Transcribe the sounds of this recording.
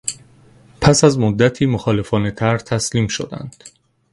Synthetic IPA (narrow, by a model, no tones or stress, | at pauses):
pʰæsæzmod̪ːæt̪ʰiːmoxɒːle̞fɒːne̞t̪ʰæɾt̪ʰæsliːmʃo̰d̪æ̰nd̪̥